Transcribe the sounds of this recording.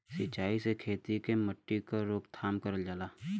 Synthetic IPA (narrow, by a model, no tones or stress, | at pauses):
sɪt͡ʃːaːisekʰeːt̪ikeməʈːikaɾoːkt̪ʰaːmkɐɾəld͡ʒaːlaː